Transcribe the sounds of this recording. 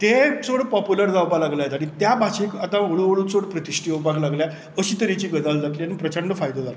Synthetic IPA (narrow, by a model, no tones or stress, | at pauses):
t̪et͡soɽpɔpjuləɾd͡zawpalaɡlajt̪aɽ̃it̪jabʱaɕikat̪ãʋoɭuʋoɭut͡soɽpɾət̪iʂʈiːopaɡlaɡlja | əɕiːt̪əɾit͡ɕiːɡəd̪ald͡zaʈliañipɾət͡ɕəɳɖəfajd̪od͡zal